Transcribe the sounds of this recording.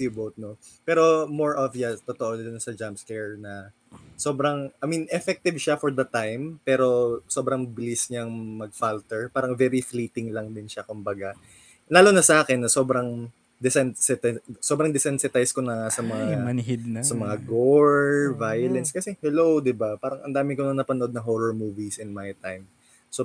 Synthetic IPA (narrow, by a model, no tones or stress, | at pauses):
sjʊbowt̪̚no | pɛːɾo̞moɹʔovijɐst̪ot̪oʔod̪ʊnsɐd͡ʒamskɛɹnɐ | so̞ːbɾɐŋʔɐminʔɛfɛk̚t̪ɪvʃafɔɹd̪ɐt̪ajmpɛːɾo̞so̞bɾɐŋbɪlisɲaŋmɐɡ̚falt̪ɛɹpaːɾɐŋvɛɾifliːt̪ɪŋlɐŋd̪ɪnʃakʊmbɐɡa | laːlo̞nɐsɐʔaːkɛnːɐso̞ːbɾɐŋ | d̪ɛsɛnsɛt̪sobɾɐŋd̪ɛsɛnsɛt̪ajskonɐsɐmɐŋaɐnɦɪd̪̚nsɐmɐŋaɡoɹvajɐlɛnskɐsɛhɛlowd̪ɪbapaːɾɐŋʔɐ̰nd̪aːmɪkonɐnɐpɐnoʔod̪nɐŋɦoːɹoɹmuːvisɪnmajt̪ajm | so